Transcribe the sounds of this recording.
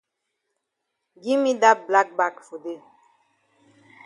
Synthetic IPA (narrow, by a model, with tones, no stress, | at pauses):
ɡi˦mi˦da˦k̚bla˦k̚ba˦kfu˨de˦˨